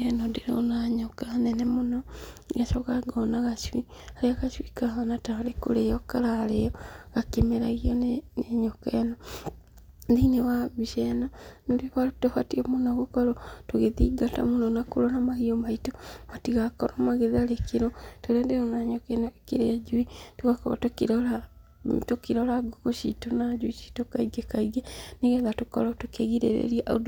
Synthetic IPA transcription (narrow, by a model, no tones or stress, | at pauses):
enondeɾo̰naɲɔkanɛnɛmonɔɡasɔkaɡɔnaɣaswi | aɾeaɣaswikaɣanataɾeko̰ɾejɔkaɾaːlejɔɣakemeɾaɣianeneɲɔkɛnɔ | ðinewaβiʃɛnanβiβatohatiɔmonɔɣokɔɾɔtoɣeðḭɡata̰monɔnakoɾɔnamaɣiomaitomatiɣakɔɾɔmaɣeðalekeɾotoɾɛndeonaɲɔkɛnɔekeɾead͡ʒuituɣakoβa̰tokiɾɔla | tokiɾɔlaɡokoʃitonad͡ʒuiʃi̥tokaiɡekaiɡɛniɣɛðatokɔ̰ɾɔtokeɣiɾḛɾḛɾiaʔud